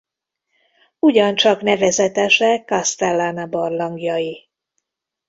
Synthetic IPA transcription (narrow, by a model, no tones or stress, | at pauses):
uɟɒnt͡ʃɒknɛvɛzɛt̪ɛʃɛkːɒst̪ɛlːanabɒrlɒŋɡjɒji